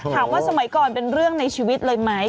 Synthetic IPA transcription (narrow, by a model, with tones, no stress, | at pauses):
hʰaː˨˩˦k̚waː˥˩sa˧ma˨˩˦jkɔː˨npe˧nɾɯ˥˩əŋna˧jt͡ɕʰiː˧wi˦˥t̪̚lɤː˧jma˦˥j